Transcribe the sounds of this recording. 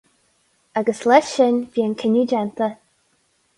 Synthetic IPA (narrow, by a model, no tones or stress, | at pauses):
aɡəslɛʃɪnviːənkʰɪnud͡ʒɛnt̪ə